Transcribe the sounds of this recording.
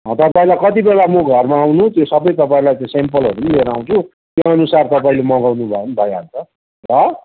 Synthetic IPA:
ɦʌ̃t̪ʌpãĩlakʌt̪ibelamoɡʱʌrmaːwnut̪josʌbʌjt̪ʌpãĩlajt͡sʌ̃sempʌlɦʌɾunileɾaw̃t͡sʰu | t̪joʌnusart̪ʌpaĩlemʌɡawnubʱʌonbʱʌjeɦʌ̰nt͡sʌ | rʌ

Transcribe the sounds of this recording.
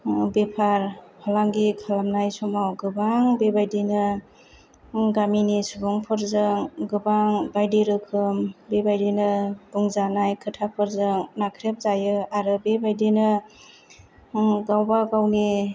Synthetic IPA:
bepʰaɾhʰɔlaŋɡikʰalamnajsɔmawɡɯbaŋbebajdinɯ | ɡaminisuɡɔŋpʰɯɾzɯŋɡɯbaŋbajdiɾɯkʰɯmbebajdinɯɡ̥uŋzanajkʰɯtʰapʰɯɾzɯŋnakʰɾep̚zajɯaɾɯbebajdinɯ | ɡawbaɡawni

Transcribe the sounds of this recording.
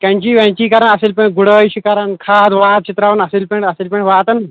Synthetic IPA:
kãɲt͡ɕiːʋãɲt͡ɕiːkaɾənəseːlpẽɳʈɡuɽəjɕikaɾənkʰad̪ʋaːt̪̚t͡ɕit̪ɾaʋənɐsilpẽɳʈɐseːlpẽɳʈʋaːt̪ən

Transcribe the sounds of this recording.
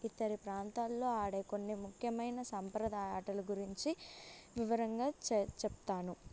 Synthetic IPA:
it̪ːɐɾipɾaːnt̪aːlːo̞ːaːɽɐjko̞nːimukʰjɐmɐjnɐsɐmpɾɐd̪aːjaːʈɐluɡuɾiɲt͡ʃiʋiʋɐɾɐŋɡaːt͡ʃept̪aːnu

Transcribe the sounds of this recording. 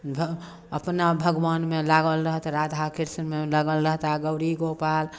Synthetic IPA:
bʱ | əpnabʱəɡʋanmelaɡəlɾəɦt̪ɾad̪ʱakiɾsənmelaɡəlɾəɦt̪aɡəʊɾiɡopal

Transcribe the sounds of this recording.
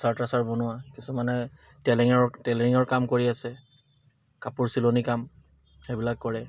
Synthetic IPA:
saɹtasaɹbɔnʊakisumanɛ | tɛliŋɔɹtɛliŋɔɹkamkoɹiasɛ | kapuɹsilonikam | xebilakːɔɹɛ

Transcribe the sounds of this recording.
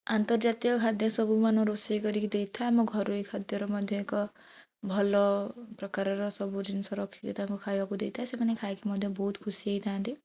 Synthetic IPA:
ant̪ɔɾd͡ʒat̪ijɔkʰad̪ʱjɔsɔbumanɔɾosikɔɾikid̪ejt̪ʰamɔɡʱɔɾuikʰad̪jɔɾɔmɔd̪ʱjɔekɔ | bʱɔlɔpɾɔkaɾɔɾɔsɔbud͡ʒinsɔɾɔkʰːikit̪akukʰajbakud̪ejt̪ʰasemanekʰajkimɔd̪ʱjɔbɔɦut̪kʰusieit̪ʰãːnt̪i

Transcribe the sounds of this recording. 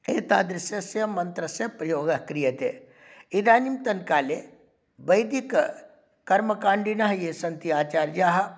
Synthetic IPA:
eːt̪aːd̪ɾɐsjɐsɐmɐnt̪ɾɐsɐpɾɐjoːɡɐkɾijɐt̪ḛ | id̪aːnimt̪ɐnkaːle | bɐjd̪ik | kɐɾmɐkãːɳɖinɐɦjesɐnt̪iaːt͡ʃaːɾd͡ʒaːɦɐ

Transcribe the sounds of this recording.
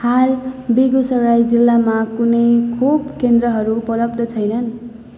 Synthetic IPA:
halbiɡosʌɾajd͡zilːamakunʌjkʰubkend̪rʌɦʌɾupʌlʌb̚d̪ʌt͡sʰʌjnʌn

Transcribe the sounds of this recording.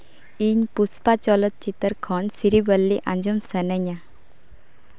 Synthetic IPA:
iɲpuspat͡ɕɔlət̪̚t͡ʃit̪əɾkʰɔnsiɾibəlːiʔãnd͡ʑɔmsənəɲa

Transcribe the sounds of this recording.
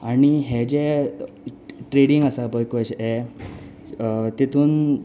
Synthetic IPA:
aɽ̃iɦɛd͡ʑɛ | ʈɾeɽiŋɡəsabəjkoɕɛ | t̪it̪ʰuːn

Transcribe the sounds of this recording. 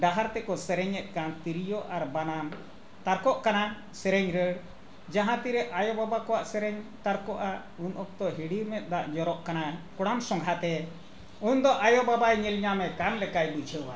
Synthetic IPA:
ɖaɦaɾt̪ɛkɔsɛɾɛɲɛt̪̚ˀkant̪iɾijɔʔaɾbanam | t̪aɾkɔʔkana | sɛɾɛɲɾəɽ | d͡ʒaɦãt̪iɾɛʔajɔbabakɔwaʔsɛɾɛɲt̪aɾkɔʔa | unʔɔk̚t̪ɔɦiɽiɾmɛt̪̚ˀd̪aʔɲɔɾɔʔkanakɔɽamsɔŋɡʱɦat̪ɛ | und̪ɔʔajɔbabajɲilɲamɛkanlɛkajbud͡ʒʱəwa

